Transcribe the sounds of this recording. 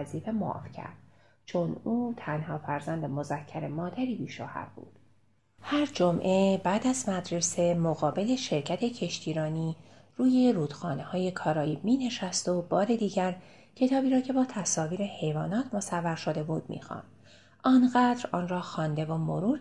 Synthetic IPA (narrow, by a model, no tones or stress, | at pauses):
ziːfe̞moɒ̰ːfcʰæ̰ɾd̪̥̚ | t͡ʃʰo̞nuːt̪ʰænhɒːfæɾzænd̪emo̞zæcʰːæɾe̞mɒːd̪æɾiːbiːʃo̰ːhæ̰ɾbṵːd̪̥ | hæɾd͡ʒomʔe̞bæːd̪æzmæd̪ɾe̞se̞moɣɒːbe̞le̞ʃe̞ɾcʰæt̪ʰe̞cʰe̞ʃt̪ʰiːɾɒːniː | ruːje̞ɾuːd̪̥xɒːnehɒːje̞kʰɒːɾɒːjiːbmiːne̞ʃæst̪o̞bɒːɾe̞d̪iːɟæɾ | cʰe̞t̪ʰɒːbiːɾɒːcʰe̞bɒːt̪ʰæsɒːviːɾehe̞jvɒːnɒːt̪ʰmo̞sævːæɾʃo̞d̪e̞buːd̪̥mḭːxɑ̰ːnd̪̥ | ɒːnɣæd̪ɾɒːnrɒːxɒːnd̪e̞vomoɾuːɾ